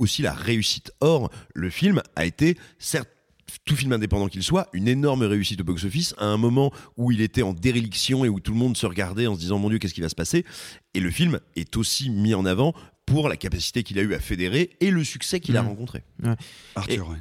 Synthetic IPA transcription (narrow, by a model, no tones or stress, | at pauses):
osila̰ʁeysi̥t̪ɔʁləfilma̰et̪esɛʁt̪̚ | t̪ufilmɛ̃d̪epɑ̃d̪ɑ̃kʲilswaynenɔʁmʁeysit̪obɔksofisa̰ɛ̃mɔmɑ̃uilet̪ɛɑ̃d̪eʁeliksjɔ̃eut̪uləmɔ̃d̪səʁəɡaʁd̪ɛɑ̃s̬əd̪izɑ̃mɔ̃d̪jøk̬ʲɛskivasə̥paseeləfilmɛt̪osimiɑ̃navɑ̃puʁla̰kapasi̥t̪ekʲilayafed̪eʁeːləsyksɛkʲilaʁɑ̃kɔ̃t̪χḛwɛaʁt̪yʁɛ